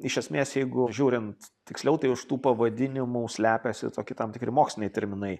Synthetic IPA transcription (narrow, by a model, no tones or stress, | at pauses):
ɪʃʲɛsʲmʲeːsjɛɪɡʊʒʲuːɾʲɪnt̪tʲɪksʲlʲɛʊt̪ɐɪʊʃt̪uːpɐʋɐd̪ʲɪnʲɪmuːsʲlʲæːpʲɛsʲɪ̰t̪oːkʲɪt̪ɐmt̪ʲɪkɾʲɪmoːksʲlʲɪnʲɛɪt̪ʲɛɾʲmʲɪnɐɪ